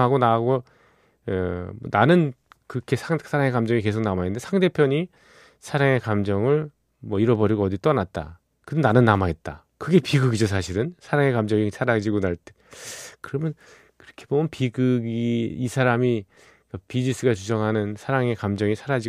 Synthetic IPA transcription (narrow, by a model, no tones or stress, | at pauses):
ɦaɡonaɦɡo | mʌnanɯnkɯkʰesʰasʰaɾaŋe̞kamd͡ʑʌŋike̞s̬ʰok̚namaɦenɯndesʰaŋde̞pʰjʌɲi | sʰaɾaŋe̞kamd͡ʑʌŋɯɭ | mwʌiɾʌbʌɾiɡoʌdit͈ʌnat̚t͈a̰ | kɯdonanɯnːamaɦet̚t͈a | kɯɡe̞piɡɯɡid͡ʑos̬ʰaɕʰiɾɯnsʰaɾaŋe̞kamd͡ʑʌŋisʰaɾad͡ʑiɡonaɭt͈ekɯɾʌmjʌn | kɯɾʌkʰebomjʌnpiɡɯɡiːsʰaɾami | kapid͡ʑis͈ʰɯɡat͡ɕud͡ʑʌŋɦanɯnsʰaɾaŋe̞kamd͡ʑʌŋisʰaɾad͡ʑi